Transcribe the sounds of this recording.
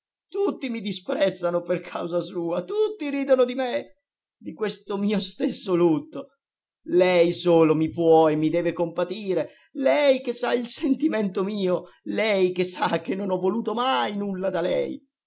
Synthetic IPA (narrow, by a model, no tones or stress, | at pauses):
t̪ut̪ːimid̪ispɾɛt̪sːanoperkʰawzasuːat̪ut̪ːiɾiːd̪onod̪ime | d̪ikwest̪omiːost̪esːolut̪ːo | lɛjsoːlomipwɔemːid̪ɛːvekompat̪iːɾe | lɛjk̟esːailsent̪iment̪omiːo | lɛjkesːak̟ːenːonɔvːoluːt̪omajnulːad̪alɛ̰j